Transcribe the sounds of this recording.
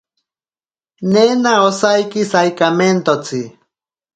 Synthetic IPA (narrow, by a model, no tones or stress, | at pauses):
nenaosajkisajkament̪ot͡si